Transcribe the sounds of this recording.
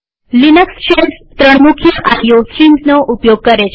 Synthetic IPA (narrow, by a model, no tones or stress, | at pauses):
linəksɕenst̪ɾəɳ̃mukʰjəʔajosɾimsnoʔupjoɡ̚kəɾet͡ɕ